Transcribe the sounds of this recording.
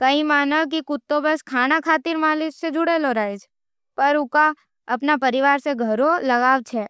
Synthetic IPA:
kɐimaːnəʋk̬ikʊt̪ːobəskʰaːnakʰaːt̪ɪɾmaːlɪssed͡ʒʱʊɽeloɾaːed͡ʒ | pɐɾʊka | ɐpnapɐɾɪʋaːɾseɡʱɐɾolɐɡaːʋt͡ʃʰɛː

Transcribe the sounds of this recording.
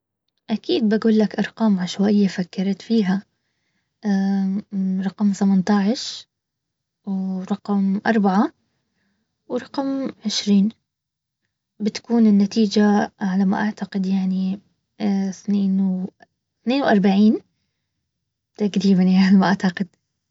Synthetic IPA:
ʔakiːd̪̚baɡuːlːakʔɑɾˤqɑːmʕaʃwaʔɪjːafakːɑɾˤɑt̪fiːɦa | ʔa | ɾˤɑqmθamant̪ɑːʕɪʃ | wɾˤɑqmʔɑ̰ɾˤbaʕa | wɾˤɑqmʕɪʃɾiːn | bɪt̪ḁkuːnɪnːat̪iːd͡ʒaʕalama̰ʔaʕt̪aqɪd̪jaʕni | θneːnw | θneːnwʔɑɾˤbaʕiːn | t̪aɡɾiːbanjalmaʔaʕt̪aqɪd̪̥

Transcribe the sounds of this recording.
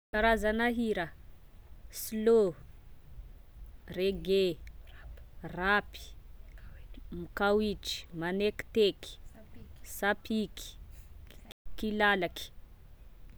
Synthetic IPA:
kaɾazanaɦiɾa | slo | reɡe | rapi̥ | mikawiʈ͡ʂi̥maneki̥t̪eki̥ | sapʰiki̥ | kilalaki̥

